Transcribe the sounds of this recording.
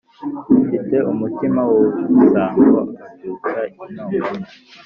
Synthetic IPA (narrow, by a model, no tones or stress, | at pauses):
ifite̞ʔumutimawousaːŋɡwa̰uatukaiinoːa